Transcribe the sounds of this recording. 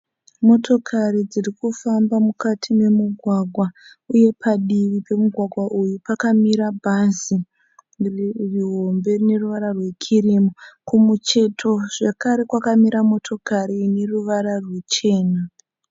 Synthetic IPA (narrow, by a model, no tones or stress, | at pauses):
mo̞tʰo̞kʰaɾid͡zirikufambamukatʰime̞muɡʱwaɡʱwa | uje̞pʰaɗiʋipe̞muɡʱwaɡʱwaʔujupakamiɾabʱazi | rriɦo̞mbe̞rine̞ruʋaɾarwe̞kʰirimokumut͡ʃe̞tʰo̞ʐakaɾe̞kwakamiɾamo̞tʰo̞kaɾine̞ruʋaɾarwet͡ʃe̞ːna